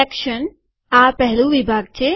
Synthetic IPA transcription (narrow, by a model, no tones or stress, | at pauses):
ekʃən | aːpɛɦluʋibʱaːɡ̚t͡ɕeː